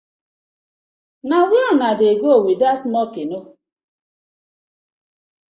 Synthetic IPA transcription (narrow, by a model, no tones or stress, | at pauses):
nawanadeɡowidasmɔkeno